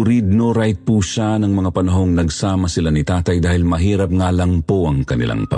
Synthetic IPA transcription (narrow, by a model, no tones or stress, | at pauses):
ɾid̪̚noɾajt̪̚puʃanɐŋmɐŋapɐnɐɦo̞ŋnɐɡsaːmɐsɪlanit̪aːt̪ɐjd̪aːhɪlmɐɦiːɾɐp̚ŋaːlɐŋpoʔɐŋkɐnɪ̰lʔa̰ŋpɐ̰